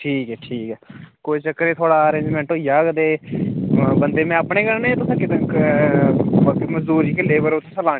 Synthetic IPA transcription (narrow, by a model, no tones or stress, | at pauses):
ʈʰiːkɛːʈʰiːkɛːkoːiːt͡ʃəkːəɾeːt̪ʰoːɽaːəɾẽːɲd͡ʒmɛ̃ːɳʈɦoːijaːɡt̪eː | bənd̪eːmɛ̃ːəpɳeːɡəɾnẽːt̪ʊsãːkɪt̪ə̃k | məd͡ʒd̪uːɾiːkeleːbəɾʊt̪ʰːsəlaː